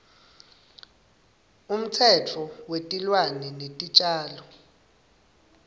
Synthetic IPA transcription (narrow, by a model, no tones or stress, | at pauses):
um̩t͡sʰɛt͡fʰɔwetʼilwanɛnetʼit͡ʃʼaːlɔ